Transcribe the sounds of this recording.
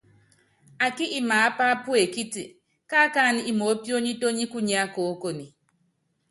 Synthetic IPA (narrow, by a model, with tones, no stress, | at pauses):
a˨ki˦ʔi˦ma˨a˦pa˦pu˦e˨ki˦tḭ˨ | ka˦ka˦˨ni˨i˦mo˨˦pjo˦ɲi˦to˦ɲi˦ku˦ɲ˦a˦ko˨o˦ko˨ni˨